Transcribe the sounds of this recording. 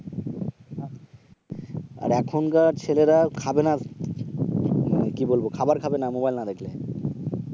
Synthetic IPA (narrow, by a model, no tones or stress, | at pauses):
a̰ɾɛkʰonkaɾt͡ɕʰeleɾakʰabena | kibolbokʰabaɾkʰabenamobajlnad̪ekʰle